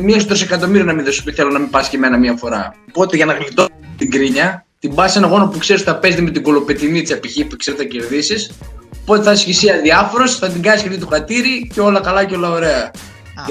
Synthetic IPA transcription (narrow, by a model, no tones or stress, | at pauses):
mies̬t̪ɾosekɐt̪o̞miɾionɐminðo̞sot̪iθelonɐmipɐscemenɐmiɐfo̞ɾɐ̰opo̞t̪eʝɐnɐɣlit̪ot̪iŋɡɾiɲɐt̪imbɐsenɐɣo̞nopukse̞ɾest̪θɐpe̞zðimet̪iɡo̞lo̞peθinit̪i̥sɐpiçipukse̞ɾet̪θɐce̞ɾðisisopo̞t̪eθɐisçisiɐðiɐfo̞ɾo̞sθɐt̪̬iŋɡɐniskcɐft̪it̪uxɐt̪iɾiceo̞lɐkɐlɐceo̞lɐoɾe̞ɐ